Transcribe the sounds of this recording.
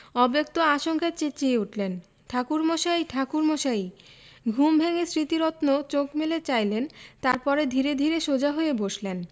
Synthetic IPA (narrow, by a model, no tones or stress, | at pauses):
ɔbek̚t̪oaʃoŋkʰeɾt͡ɕet͡ɕeuʈʰlen | ʈʰakuɾmoʃaiʈʰakuɾmoʃaiɡʱumbʱeŋesɾit̪iɾot̪not͡ɕokmelet͡ɕajlent̪aɾpɔɾed̪ʱiɾed̪ʱiɾeʃod͡ʑaɦojeboʃlen